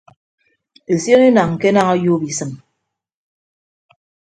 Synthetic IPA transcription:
e˨sjɔ˦ne˦na˨ŋ̩˨ke˦na˦ŋɔ˦ju˦bi˨sɨ˨m

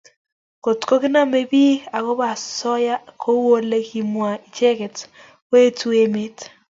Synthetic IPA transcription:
ko˨tko˦kɪ˦na˦me˦˨bi˦a˨kɔ˦ba˨sɔ˦ja˦kʰo˦wo˦le˦ki˨mwa˨i˨t͡ʃe˦kɛ˨t | we˦tu˦e˦me˦t

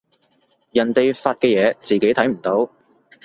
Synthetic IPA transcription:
jɐ˨˩nt̪e˨jfaː˧t̚kɛː˧jɛː˨˧t͡siː˨ke˨˥jt̪ʰɐ˨˥jm̩˨˩t̪o˨˥w

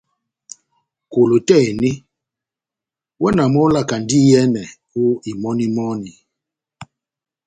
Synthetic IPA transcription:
ko˨lo˨tɛ˦˨ni˦ | wɛ˦na˨mɔ˦la˦˨ka˨ndi˦jɛ˦nɛ˨ | u˦i˨mɔ˦ni˦mɔ˦ni˨

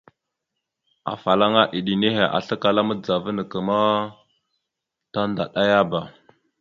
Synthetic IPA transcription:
a̰˨fa˨la˦ŋa˦ʔi˨ɗi˨ni˦ɦe˨ʔa̰˨ɬə˦ka˨la˦mə˦d͡za˨və˦nə˨kə˨ma˦ | ta˦nda˨ɗa˦ja˦ba˨

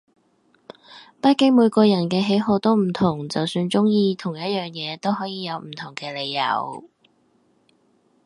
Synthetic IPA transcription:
pɐ˥t̚kːɪ˥ŋmuː˨˧jkɔː˧jɐ˨˩nkɛː˧ɦe˨˥jɦo˧wt̪o˥wm̩˨˩t̪ʰʊ˨˩ŋt͡sɐ˨wsyː˧nt͡sʊ˥ŋjiː˧t̪ʰʊ˨˩ŋjɐ˥t̚jœː˨˩ŋjɛː˨˧t̪o˥wɦɔː˨˥jiː˨˧jɐ˨˧wm̩˨˩t̪ʰʊ˨˩ŋkɛː˧le˨˧jjɐ̰˨˩w

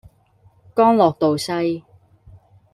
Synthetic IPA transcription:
kɔː˥ŋlɔː˨k̚t̪o˨wsɐ˧j

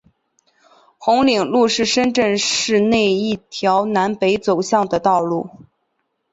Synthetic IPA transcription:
xʊ˧˥ŋli˨˩ŋlu˥˧ʂɻ̩˥˩ʂə˥nʈ͡ʂə˥˧nʂɻ̩˥˧ne˥˧ɪi˥˩t̪ʰjɑ˧˥ʊna˧˥npe˧˥ɪt͡so˨˩ʊɕjɑ˥˩ŋd̪ə˩t̪ɑ˥˧ʊlu˥˩

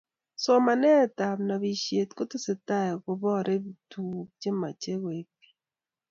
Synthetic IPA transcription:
so˦ma˨nɛ˦ta˨mna˨βi˨ʃe˨tko˦te˦se˨ta˦e˨ko˨βɔ˦ɾe˦βi˨tu˦d͡ʒe˦ma̰˨t͡ʃe˦ɣwe˨pi̥˦

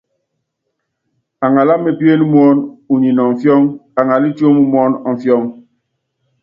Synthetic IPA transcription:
a˨ŋa˨la˦mːe˨pje˦nu˦m˦ɔ˦nu˨ɲi˨nɔ˨ɱ̩˨fjɔ˦ŋa˨ŋa˨li˦t͡ʃo˦mu˦m˦ɔ˦nɔ˨ɱ̩˨fjɔ˦ŋ

